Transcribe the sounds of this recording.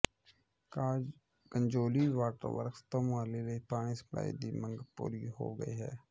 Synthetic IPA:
kəɲd͡ʒoːliːʋaːʈəɾʋə̰ɾkst̪omʊaːliːleipaːɽ̃iːsə̥pla̰ːḭːd̪iːmə̃ŋɡpṵːɾiɦo̰ːɡəḭːɦɛː

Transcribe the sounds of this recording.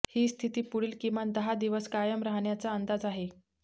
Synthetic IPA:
hiːst̪ʰit̪iːpuɽiːlkimand̪əɦad̪iʋəskajəmɾaɦɳjat͡saənd̪ad͡zaɦe

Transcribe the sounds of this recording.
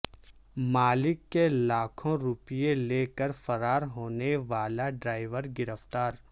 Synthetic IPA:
maːlɪkːelaːkʰõɾʊpijeleːkəɾfɐɾaːɾɦoːneʋaːlaɖɾaːɪʋəɾɡɪɾəft̪aːɾ

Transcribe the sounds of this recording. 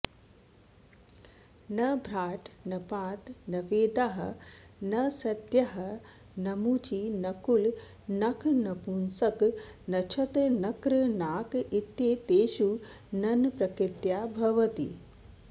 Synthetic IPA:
nɐbʱɾaːʈnɐpaːt̪nɐʋeːd̪aɦɐ̰̆nɐsɐt̪jɐɦɐ | nɐmut͡ʃinɐkul | nɐkʰnɐpunsɐknɐt͡ʃʰɐt̪nɐkɾɨnaːkit̪jeːt̪eːʃu | nɐnpɾɐkɾɪt̪jaːbʱɐʋɐt̪ḭ

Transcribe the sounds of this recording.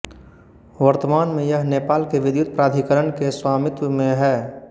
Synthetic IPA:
ʋəɾt̪əmaːnmẽjəɦneːpaːlkeʋɪd̪jʊt̪̚pɾaːd̪ʱikəɾənkeswaːmɪt̪wəmẽɦɛː

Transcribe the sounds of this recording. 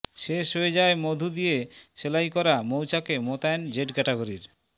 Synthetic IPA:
ʃeʃɦoed͡ʑaemod̪ʱud̪ijeʃelajkɔɾamowt͡ɕakemot̪ajnd͡ʑeʈkɛʈeɡoɾiɾ

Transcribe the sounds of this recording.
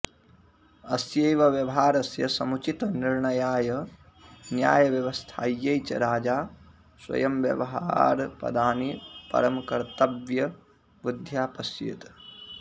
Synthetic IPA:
ɐsjɐːjʋɐʋjɐʋɦaːɾɐsjɐsɐmut͡ʃit̪ɐniɾɳɐjaːjɐ | njaːjɐʋjɐʋɐst̪ʰaːjːɐjt͡ʃɐ̰ɾaːd͡ʒaː | swɐ̰jɐmʋjɐ̰ʋɐɦaa̰ːɾpɐ̰d̪aːnipɐ̰ɾɐmkɐɾt̪ɐbjɐ | bud̪ʱjaːpɐsjḛt̪

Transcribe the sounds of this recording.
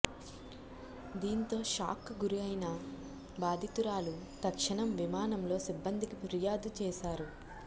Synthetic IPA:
d̪iːnt̪o̞ːʃa̰ːkɡuɾiɐjnɐ | baːd̪ʱit̪uɾaːlu | t̪ɐkʂɐɳɐmʋimaːnɐmlo̞ːsibːɐnd̪ʱikipɾijaːd̪ut͡ʃɛːʃaːɾu

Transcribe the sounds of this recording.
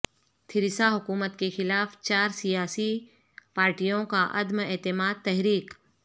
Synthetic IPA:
t̪ʰɪɾɪsaɦʊkuːmət̪kexɪlaːft͡ʃaːɾsijaːsi | paːɾʈijõkaʔɐd̪mɛːt̪ɪmaːd̪̚t̪ɛɦɾiːk

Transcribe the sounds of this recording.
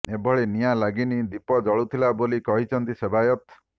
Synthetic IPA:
ebʱɔɭenijalaɡinid̪ipɔd͡ʒɔɭut̪ʰilabolikɔɦit͡ʃʰɔnt̪isebajɔt̪

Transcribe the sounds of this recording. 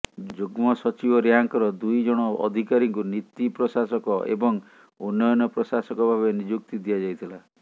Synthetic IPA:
d͡ʒuɡmɔsɔt͡ʃibɔɾiɦaŋkɔɾɔd̪ujd͡ʒɔɽ̃ɔɔ̰d̪ʱikaɾiŋkunit̪ipɾɔsasɔkɔʔḛbɔŋ | unːɔjɔnɔpɾɔsasɔkɔbʱaβenid͡ʒuk̚t̪id̪ijad͡ʒajt̪ʰila

